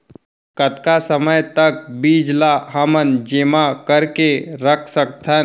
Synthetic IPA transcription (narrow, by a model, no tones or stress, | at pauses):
kət̪kasəməjt̪ək̚biːd͡ʒlaɦəmənd͡ʒemakəɾkeɾəkʰsək̚t̪ʰən